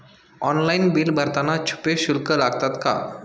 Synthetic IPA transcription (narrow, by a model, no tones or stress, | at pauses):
ɔnlainbilbəɾt̪anat͡ʃʰu̥peɕulkəlaɡt̪at̪ka̰